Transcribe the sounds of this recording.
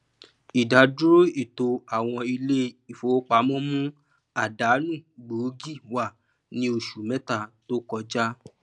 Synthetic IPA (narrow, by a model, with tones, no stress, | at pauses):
i˨da˨du˦ɾo˦i˦˨to˧a˨w̃ɔ̃˧i˧le˦i˨fo˨˦k͡pa˧˦mɔ̃˦mũ˦ | a˨da˨˦nũ˦˨ɡ͡bo˨˦ɡi˦˨wa˨ | nĩ˧o˧ʃu˨mɛ̃˦ta˧˨to˦kɔ˧d͡ʒa˦